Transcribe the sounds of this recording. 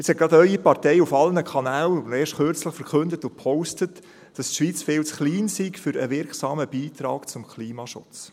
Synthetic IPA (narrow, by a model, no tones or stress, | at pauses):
ɪt͡shɛt̚ɡ̥ɑdœʏipɑrtɛjufɑlnəkʰɑnæːleːʃtχøɾt͡sləχfəɾkʰɵndətʊpʰɔʊstət | d̥ɑstʃʋiːt͡sfɪːlt͡sχliːnsikfʏɾə̰ʋɪɾksɑːməb̥iːt̪ɾɑ̰ːkt͡sʊmkʰliːmɑʃʊ̰t͡s